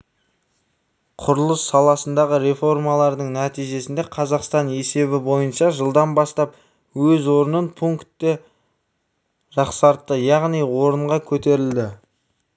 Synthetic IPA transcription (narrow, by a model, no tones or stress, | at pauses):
qʰʊɾəlˠəsːɑlˠɑsənd̪ɑʁəɾe̞fo̞rmɑlˠɑɾd̪əɴnæt̪ijʒe̞sɪnd̪e̞qʰɑzɑqst̪ɑne̞se̞bɪbo̞jənʃɑʒəlˠd̪ɑnbɑst̪ɑp̚ | wɵzwo̞ɾənənpʰuŋkt̪ːe | ʒɑqsɑɾt̪ːəjɑʁnijwo̞ɾəɴʁɑkʲʰɵt̪e̞ɾɪld̪ɪ